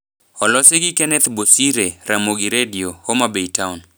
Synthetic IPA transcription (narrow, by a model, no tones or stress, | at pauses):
ɔlɔsɪɡikɛnɛt̪bosiɾeɾamoɡiɾediohomabeitaun